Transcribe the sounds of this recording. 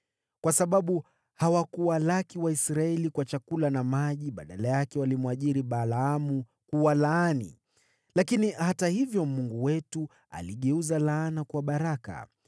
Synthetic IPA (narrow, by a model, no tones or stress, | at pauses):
kwasaɓaɓu | hawakuwalakiwaisɾaɛlikwat͡ʃakulanamaʄiɓa̰ɗalajakɛwalimwaʄiɾiɓalaamu | kuwalaaːnḭ | lakinihatahivjɔmuŋɡuwɛtu | a̰liɠɛuzalaːnakwaɓaɾaka̰